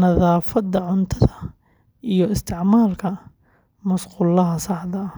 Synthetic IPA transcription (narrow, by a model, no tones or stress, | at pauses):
nɐðaːfɐd̪ɐʕʊnt̪ʰɐðɐ | ijɞɪst̪ʰɪʕmaːlkʰɐ | mɐsqʊlɐɦɐsɑħd̪ɐ